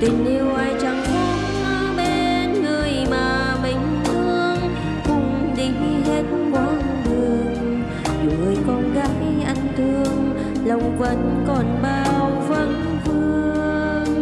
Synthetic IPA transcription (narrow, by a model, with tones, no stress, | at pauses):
t̪i˨˩ŋ̟ʔi˧wʔaː˧jt͡ɕa˧˩ŋmɔ˧˦ | ɓe˧nŋɨ˨˩əjmaː˨˩ | mi˨˩jŋ̟t̪ʰɨ˧əŋ | kʊ˧˥ŋ͡m | ɗi˧˩˦ | ɦe˦˥t̚və˧˦ | zɨ˨˩əŋ | ɲ˨˩ŋːɨ˨˩əjkɔ˧˩nɣaː˨˧˦jʔa˧˩jŋ̟t̪ɨ˧əŋ | lə˨˩wŋ͡mvə˧˩nkɔ˨˩nɓaː˧˩wvə˧˥n | fɨ˧əəə | ə | ŋ